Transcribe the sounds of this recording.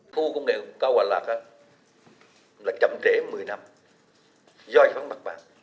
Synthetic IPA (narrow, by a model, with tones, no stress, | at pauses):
xu˧kə˧ŋ͡mŋḛ˧˨kaː˧wa̰ː˨˩la̰ː˨˩k̚ʔaː˧˦ | laː˨˩t͡ɕə̰˧˨mt͡ɕe˧˨˦mɨ˨˩əjna˧m | zɔ˧jfaː˨˦nma˨˩k̚ɓa̰ː˨˩ŋ